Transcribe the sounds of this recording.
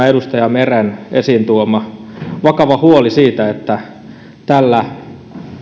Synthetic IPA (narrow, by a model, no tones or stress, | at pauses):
edust̪ɑjɑmerenesiːnt̪uomɑ | ʋɑkɑʋɑhuolisiːt̪æet̪ːæ | t̪ælːæ